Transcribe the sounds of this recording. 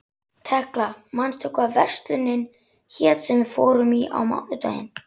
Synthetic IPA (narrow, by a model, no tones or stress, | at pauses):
t̪ʰɛhklamanːt̪ʰʊkvavɛr̥st̪lʏnːɪn | çɛːt̪sɛmfɔːɾʏmiʔa̰wma̰wðʏt̪aːjɪ̰n